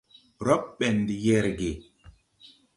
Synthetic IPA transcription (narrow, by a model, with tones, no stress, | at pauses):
ɾɔ˦p̚ɓɛ˨ndi˨jɛ˦˨ɾɡe˨